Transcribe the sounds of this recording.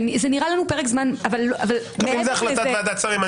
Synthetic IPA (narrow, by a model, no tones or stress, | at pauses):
nizeniʁalanupeʁekzmanavalːʔaval | meimzeaχlaaveat̪at͡saʁima